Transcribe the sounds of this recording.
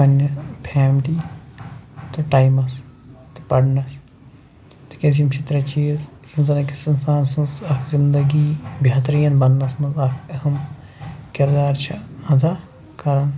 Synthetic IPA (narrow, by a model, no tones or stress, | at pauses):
pɐnʲːɐpʰɛːmʈi | t̪ɨʈaːjmɐst̪ɨ̥pɐɽnɐs | t̪i̥kʲɐzimt͡ʃʰit̪ɾɐt͡ʃiːz | inzɐnɐkisɐnsaːnsɐ̃nsɐkʰzind̪ɐɡibʱjaːt̪ɾijɐnbɐnːɐsmɐzɐkɐɦɐm | kiɾd̪aːɾt͡ʃʰiɐ̃d̪a | kɐɾɐn